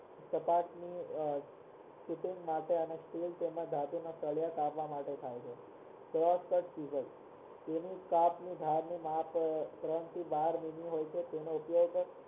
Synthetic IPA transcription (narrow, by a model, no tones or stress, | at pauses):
səpaʈni | kuʈiŋɡmaʈeənesʈilt̪emãd̪ʱat̪umãsəɭjakapʋamaʈet̪ʰajt͡ʃʰe | sɾɔskəʈsiʋəl | t̪enikapnid̪ʱaɾnimapkɾənt̪ʰibaɾminiɦojt͡ʃʰet̪enoupjoɡt̪